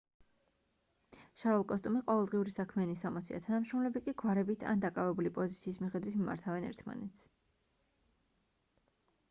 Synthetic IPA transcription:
ʃaɾɔlˠkʼɔst̪ʼumiqʼɔvɛlˠd̪ʁiuɾisakʰmɛanisamɔsia̰t̪ʰanamʃɾɔmlɛbikʼiɡwaɾɛbit̪ʰa̰nd̪akʼavɛbulipʼɔzit̪sʰiːsmiχɛd̪wit̪ʰmima̰ɾt̪ʰavɛnɛ̰ɾt̪ʰma̰nɛt̪s

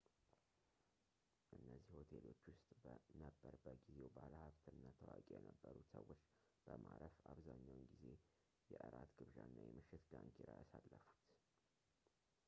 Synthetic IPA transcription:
ʔɨnːəzːihho̞t̪ʰe̞lo̞t͡ʃːwʊst̪ʼbnəbːəɾbːəɡize̞wbaləhaβt̪ʰɨnːat̪ʰəwakʼejɛnəbːəɾut̪səwːo̞t͡ʃː | b̥əmaɾəfaβzaɲːawnɡize̞ | jɛʔɨɾat̪ɡɨβʒanːajɛmɨʃːɪt̪ɡaŋkʰeɾajasalːəfu̥t̪

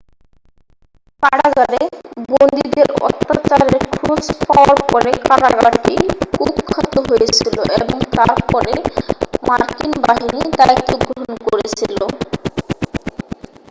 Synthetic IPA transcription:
kaɽad͡ʑaɾebond̪id̪eɾɔ̰t̪ːat͡ɕaɾeɾkʰuɾod͡ʑpɔaɾpɔɾekaɾaɡaʈikubkʰːat̪oɦojet͡ɕʰiloʔḛboŋt̪aɾpɔɾemaɾkinbaɦinid̪ait̪ːoɡɾooɦonkoɾeet͡ɕʰilo

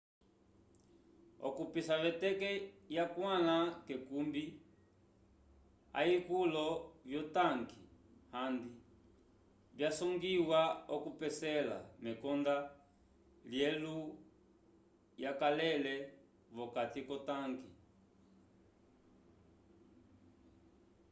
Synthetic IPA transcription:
ɔ̰kupisaβɛtɛkɛjakwalakɛkumbi | a̰ikulɔvjɔtaŋkihandi | bjasɔŋɡiwaɔkupɛsɛla̰mɛkɔnda | ljɛlu | jakalɛlɛ | βɔkatikɔtaŋki

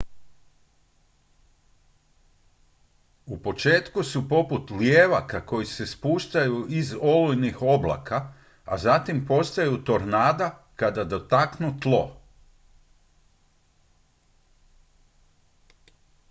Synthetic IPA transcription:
upo̞t͡ʃe̞ːt̪kusupo̞put̪ljeːʋakako̞jise̞spuːʃt̪ajuizo̞lujnixo̞bla̰ka | a̰zat̪impo̞st̪ajut̪o̞ɾnaːd̪akad̪ad̪o̞t̪aknut̪lˠo̞̰

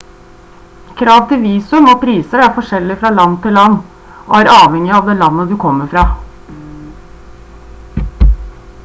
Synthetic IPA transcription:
kʰɾɑːʋt̪ʰɪʋiːsʉmoːpʰɾiːsəɾæɾfɔʂɛlːɪfɾɑːlɑnt̪ʰɪlɑnː | ʔo̰ːæːɾɑːʋhɛŋːɪɑʋd̪ɛːlɑnːəd̪ʉkʰɔmːəɾfɾɑː

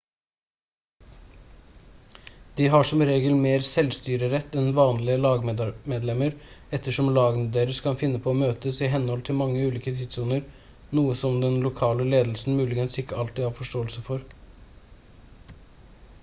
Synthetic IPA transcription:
d̪̥iːɦɑʂɔmɾeːɡəlmeːɾsɛlst̪yːɾəɾɛt̪ːɛnʋɑːnlɪəlɑːɡmmeːd̪lɛməɾɛt̪ːəʂɔmlɑːɡnəd̪eːɾəskʰɑnfɪnːəpʰɔːmøːt̪əsɪɦɛnːhɔlt̪ʰɪlmɑŋːəʉːliːkət̪ʰiːd̪sunəɾ | nuːəsɔmd̪ɛnlʊkʰɑːləleːd̪əl̩sn̩mʉːlɪɡənsɪkːəɑlt̪iːhɑːɾfɔʂʈoːəlsəfɔɾ

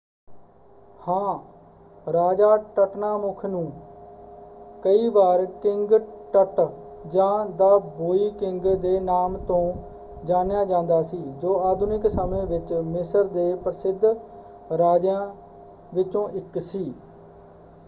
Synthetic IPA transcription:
hãː | ɾaːd͡ʒaːʈəʈnaːmʊkʰnũː | kəiːbaːɾkɪŋɡʈəʈd͡ʒãːd̪aːboːiːkɪŋɡd̪eːnaːmt̪õː | d͡ʒaːnjaːd͡ʒãːnd̪aːsiːd͡ʒoːaːd̪ʱʊnɪksəmẽːʋɪt͡ʃmɪsəɾd̪eːpɾəsɪd̪ʱ | ɾaːd͡ʒjãː | ʋɪt͡ʃõːʔɪksiː

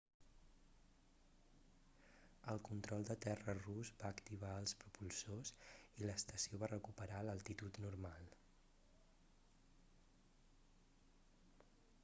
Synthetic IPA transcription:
əlˠkunt̪ɾɔlˠd̪ət̪ɛrəruzbaːkt̪iβ̞aəlˠspɾupulˠsoziləst̪əsioβarəkupəɾaləlˠt̪it̪ut̪nuɾmalˠ

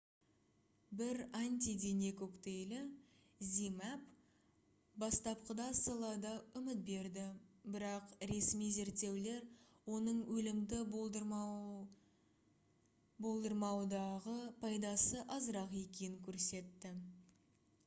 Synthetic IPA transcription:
bɪɾant̪ʲid̪enekokt̪e̞jlɪ | zʲimap | bɑst̪ɑp̚qəd̪ɑsɑlˠɑd̪ɑʏmɪt̪̚be̞ɾd̪ɪbɪɾɑqɾe̞smijze̞ɾt̪e̞wle̞ɾwo̞nəɴwɵlɪmd̪ɪ | bo̞lˠd̪əɾmɑwd̪ɑʁəpʰɑjd̪ɑsəʔɑzəɾɑqe̞kʲejɪŋkʲʰɵɾse̞t̪ːɪ

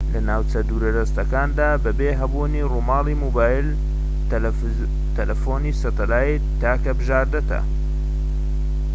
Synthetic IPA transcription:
lɐnaːwt͡sɐd̪uːɾɐd̪ɐst̪ɐkaːnd̪aːbɐbeːɦɐbunirumaːliːmuːbaːjil | t̪ɐlɐfoːniːsɐt̪ɐlaːi | t̪aːkɐbɨʒaːɾd̪ɐt̪ɐ̰

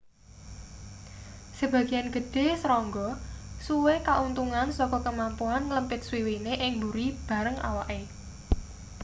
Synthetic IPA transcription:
səb̥ä̤ɡ̥i̤janɡ̥ə̤ɖ̥e̤sɾɔŋɡɔsuwekaʔunt̪uŋansɔkɔkəmampuanləmpɪt̪̚swiwineʔɪŋbuɾib̥ä̤ɾəŋa̰waʔe

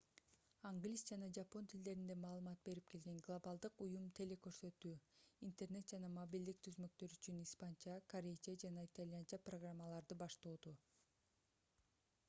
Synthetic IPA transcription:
aŋɡlʲisd͡ʒɑnɑd͡ʒapo̞nt̪ʰild̪e̞ɾind̪e̞mɑːlˠɯmɑt̪̚be̞ɾip̚ke̞lɡe̞ŋɡlˠabɑlˠd̪ɯqujumt̪ʰe̞le̞kø̞ɾsø̞t̪yːint̪e̞rne̞t̪̚d͡ʒɑnɑmobild̪ik̚t̪ʰyzmø̞k̚t̪ø̞ɾyt͡ʃynispant͡ʃɑkʰaɾʲejd͡ʒad͡ʒɑnɑit̪alʲjant͡ʃaproɡramːalˠɑɾd̪ɯbɑʃt̪oːd̪o

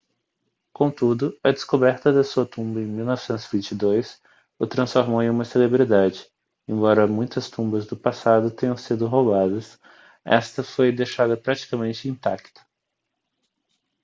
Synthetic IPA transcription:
kõt̪ud̪ʊɐd͡ʒɪskobɛɾt̪ɐd̪ɐsuɐt̪ũmbɐẽmiwnɔvɪsẽnt̪ʊzvĩnt͡ʃid̪ojs | ʊt̪ɾɐ̃sfoɾmowẽũmɐselebɾid̪ad͡ʒɪ | ẽbɔɾɐmũj̃t̪ɐst̪ũbɐzd̪ʊpasad̪ʊt̪ẽɲɐ̃w̃sid̪ʊɦowbad̪ɐs | ɛ̰st̪ɐfojd̪ejʃad̪ɐpɾat͡ʃi̥kɐmẽnt͡ʃɪĩt̪akt̪ʊ̥

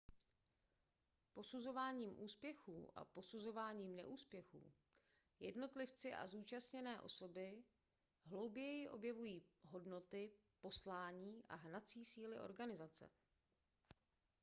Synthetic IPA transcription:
po̞suzo̞vaːɲiːmʔuːspjɛxuːʔa̰po̞suzo̞vaːɲiːmnɛ̰ʔuːspjɛxṵː | jɛdno̞t̪lɪft͡sɪʔa̰zuːt͡ʃast̪ɲɛnɛːʔo̞̰so̞bɪ | ɦlo̞wbjɛjɪʔo̞̰bjɛvujiːɦo̞dno̞t̪ɪpo̞slaːɲiːʔa̰ɦnat͡siːsiːlɪʔo̞̰ɾɡanɪzat͡sɛ̰

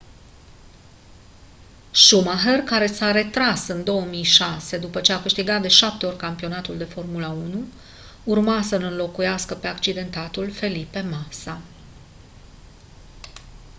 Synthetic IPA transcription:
ʃumaɦerkaɾe̞saɾe̞t̪ɾasɨnd̪o̞wəmijʃase̞d̪upət͡ʃe̞akɨʃt̪iɡat̪̚d̪e̞ʃap̚t̪eo̞rʲkampio̞nat̪uld̪e̞fo̞rmulaunuː | rmasənɨnlo̞kujaskəpe̞akt͡ʃid̪e̞nt̪at̪ulfe̞lipe̞masa

